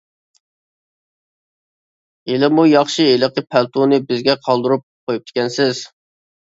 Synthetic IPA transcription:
elɪmujɑχʃɨelˠəqəpʰælt̪ʰunɨbɪzɡʲɛqʰɑlˠd̪uɾup̚qʰojup̚t̪ɪ̥kʲʰɛnsɪz̥

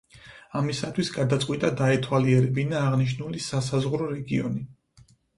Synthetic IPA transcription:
amisat̪ʰwisɡad̪at̪sʼqʼwit̪ʼad̪aɛt̪ʰwaliɛɾɛbinaːʁniʃnulisasazʁɾɔɾɛɡiɔ̰ni

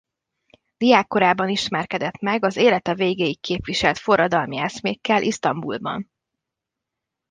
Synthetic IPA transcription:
d̪̥iaːkːo̞ɾaːbɒniʃmɛrkɛd̪ɛt̪mɛɡɒzeːlɛt̪ɒveːɡeːjikkeːpʋiʃɛlt̪fo̞rːɒd̪ɒlmiɛsmeːkːɛlʔiʃt̪ɒmbṵlbɒ̰n

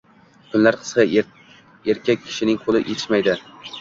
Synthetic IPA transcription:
kʰʊnlaɾqʰɨ̥sqɑ | eɾkʲak̚ʲʰːɪ̥ʃɪnɪŋqʰolˠɪʔet̪ʰɪʃmajd̪ɪ

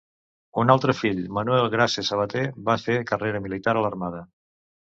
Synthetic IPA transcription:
unalˠt̪ɾəfiʎmənuɛlˠɣɾasesəβ̞ət̪eβafekəreɾəmilit̪aɾələrmaðə

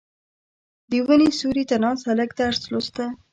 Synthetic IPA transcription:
d̪əwənisuɾit̪anɑnshaləkt̪aːɾslost̪a

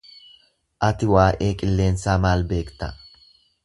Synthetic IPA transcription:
ʔɐt̪ɪwaːʔe̞ːkʼɪlːe̞ːnsaːmaːlbe̞ːkt̪ɐ

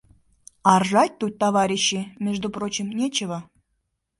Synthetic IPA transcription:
ɑrʒɑt̚ʲt̪ut̚ʲt̪ɑβɑɾʲiɕːimʲeʐd̪uprot͡ɕimnʲet͡ɕevɤ

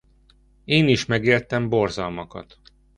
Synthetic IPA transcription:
eːniʃmɛɡeːrt̪ɛmborzɒlmɒkɒ̰t̪

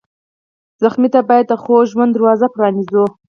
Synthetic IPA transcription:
z̥axmit̪abɑjad̪̚əxoʒwand̪əɾwɑzapɾɑnizu

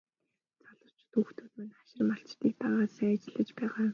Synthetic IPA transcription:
t͡sʰaɮə̆r̥t͡ɕʰt̪uxt̪ʰuːt̪mɘnḁʃɪ̆rmaɬt͡ɕt̪iːk̚p̪aːʁaːsæat͡ɕɪ̆ɮə̆t͡ɕpæːʁaː

